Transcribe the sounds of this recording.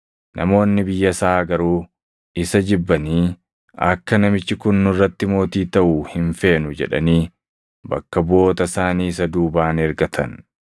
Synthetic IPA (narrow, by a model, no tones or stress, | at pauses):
nʔɐ̰mo̞ːnːɪbɪjːɐsaaːɡɐɾuː | ɪsɐd͡ʒɪbːɐniː | ɐ̰kːɐnɐmɪt͡ʃːɪkʊnːʊrːɐt̪ːɪmo̞ːt̪iːt̪ɐʔʊhɪnfe̞ːnʊd͡ʒɛ̰ᶑɐ̰niː | bɐ̰kːɐbo̞ːt̪ɐsaːniːɪsɐd̪uːbaːnɛɾɡɐt̪ʰɐ̰n